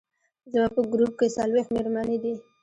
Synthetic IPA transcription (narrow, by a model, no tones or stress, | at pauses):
zmɑpəɡɾup̚kesalwext̪meɾmɑned̪i